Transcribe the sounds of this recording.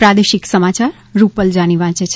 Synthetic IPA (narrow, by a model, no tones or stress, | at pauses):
pɾad̪eʃiksəmat͡ʃaɾːupəld͡ʒaɽ̃iʋãt͡ʃet͡ʃʰ